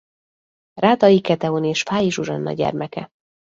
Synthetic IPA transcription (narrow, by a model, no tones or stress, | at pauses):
raːt̪ɒjikɛt̪ɛoneːʃfaːjiʒuʒɒnːɒ̰ɟɛ̰rmɛkɛ̰